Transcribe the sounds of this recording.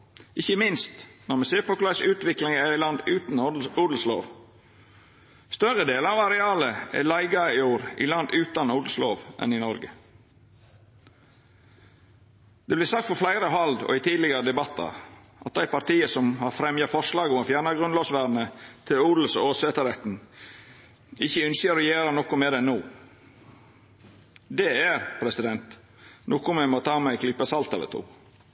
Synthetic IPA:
ɪçəmɪnst̪nɔɾmɛseːɾpʰɔklɑsʉːt̪ʋɪklɪŋææɪlɑnd̪ʉːt̪nuːd̪l̩slo̰ːʋ | st̪œʁəd̪eːləɑʋɑɾɛɑːləɛ̰læɪɡɑɪuːɾʔḭlɑnd̪ʉːt̪ɑnuːd̪l̩sloːʋʔɛ̰nɪnɔɾɡə | d̪̥ɛblɪːsɑk̚t̪fɔflæɪɾəɦɑld̪ɔ̰ɪt̪ʰiːd̪lɪɡəɾəd̪ɛbɑt̪ːɑ̰ | ʔɑt̪̚d̪æɪpɑɾt̪iːəsɔmhɑɾfɾɛmjɑfɔʂlɑːɡʊmɑfjæɾɳɑɡɾʉnloːsʋæːɾnət̪ʰɪluːd̪l̩soːsɛːt̪əɾɛt̪n̩ | ɪçːəʏnsəɾɔjeːɾɑnɔkʊmɛd̪ɛnuː | d̪ɛæɾpʰɾɛsɪd̪ɛnt̪ | nʔɔːkʊmɛmot̪ʰɑːmæɪkʰlɪpːəsɑlt̪ɑ̰d̪ɛ̰t̪ʰṵː

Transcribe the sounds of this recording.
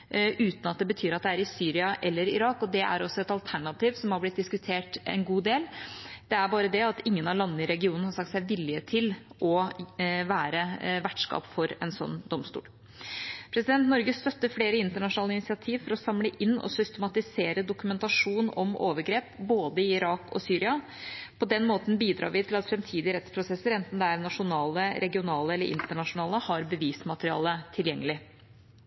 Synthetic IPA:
ʔʉːt̪nɑt̪̚d̪ɛbət̪ʰyːɾɑt̪̚d̪ɛæɾɪsyːɾɪɑʔɛlːəɾɪɾɑːkɔd̪ɛʔæ̰ɾɔsːɔɛt̪ɑlt̪ʰæɳɑt̪iːʋsɔmhɑblɪt̪̚d̪ɪskʉt̪ʰeːʈɛ̰nɡuːd̪eːld̪̥ɛæɾbɑːɾəd̪ɛɑt̪ɪŋːənɑlɑnːəɪɾɛɡɪuːnnəhɑɾʂɑkt̪sæɪʋɪljət̪ʰɪlʔɔ | ʋæːɾəʋæʈʂkɑ̰ːpfɔɾɛnsɔ̰nːd̪ɔmst̪ṵːl | pʰɾɛsɪd̪ɛnt̪nɔɾɡəst̪œt̪ːəfleːɾəɪnt̪əɳɑʂʊnɑːləɪnɪtsɪɑt̪ʰiːʋfɔɾɔsɑmləʔɪnːɔ̰sʏst̪əmɑt̪ɪseːɾəd̪ʊkʉmɛnt̪ɑʂuːnɔmo̰ːʋəɾɡɾeːpboːd̪əɪɪɾɑːkɔ̰syːɾɪɑ | pʰɔd̪ɛnmoːt̪n̩biːd̪ɾɑ̰ːɾʋɪt̪ʰɪlɑt̪fɾɛmt̪ʰiːd̪ɪɾɛt̪spʰɾʊsɛsːəɾɛnt̪n̩d̪ɛæɾnɑʂʊnɑːləɾʔɛɡɪʊnɑːləɛlːəɾɪ̰nt̪əɳɑʂʊnɑːləhɑɾbəʋiːsmɑt̪əɾɪɑ̰ːlət̪ʰɪljɛŋːəlɪ

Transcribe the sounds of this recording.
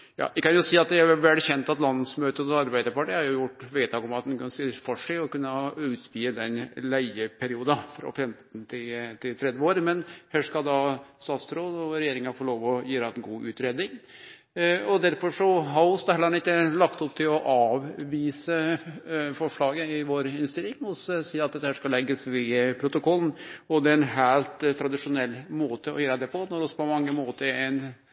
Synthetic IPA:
jɑ̰ːʋɪkɑnjʊsiːɑt̪̚d̪ɛæɾʋɛlçɛnt̪ɑt̪lɑnsmøːt̪ət̪ɔɑɾbæɪd̪əɾpɑʈihɑɾjʊjʊʈːʋeːt̪ʰɑːɡɔmɑt̪̚d̪ɛnk̪ːsɪfɔʂɪɔkʉnːəʉːt̪piːəd̪ɛnlæɪəpʰɛɾɪuːd̪ɑfɾɑ̰fɛmt̪n̩t̪ʰɪlt̪ʰɪlt̪ʰɾɛd̪ʋəoːɾmɛnhæːʂkɑd̪ɑst̪ɑːt̪sɾoːd̪ɔɾɛjeːɾɪŋɑfoːloːʋɔjiːɾɑɛnɡuːʔʉːt̪ɾeːd̪nɪŋ | ɔd̪æɾfɔʂɔɦɑʊsd̪hɛlːəɾɑnɪk̪ːəlɑkt̪ɔp̚t̪ʰɪlɔʔɑːʋʋiːsə | fɔʂɭɑːɡəɪʋoːɾɪnst̪ɪlːɪŋɔssiːɑt̪̚d̪ɛt̪ːəhæːʂkɑlɛɡːəsʋɪpʰɾʊt̪ʊkʰɔlːn̩ɔd̪ɛɛnɦæːlt̪t̪ʰɾɑd̪ɪʂʊnɛlːmoːt̪əɔ̰jøːɾɑd̪ɛpʰɔnɔɾɔsɔ̥pʰɔmɑŋːəmoːt̪əɾɛɪn

